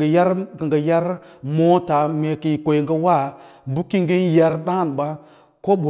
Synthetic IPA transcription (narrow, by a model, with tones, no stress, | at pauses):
ja˦ɾkə˨ŋɡə˨ja˦ɾmo˦ta˨me˨ki˨i˨ko˨jŋɡə˦wa˦˨bu˦ki˦ŋɡe˦nja˨ɾɗa˦ŋ˦˨n˨ɓa˦ | ko˦ɓu˨